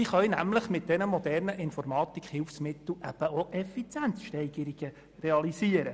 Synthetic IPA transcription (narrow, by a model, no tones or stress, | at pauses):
iχœjnæmləχmɪt̚d̥ɛnəmɔd̪ɛrnəʔɪnfɔɾmɑːt̪ikχhɪlfsmɪt̪l̩ʔæb̥əoʔɛfit͡sjænsʃtɛɪɡəɾiɡ̥ə | rɛɑlisiəɾə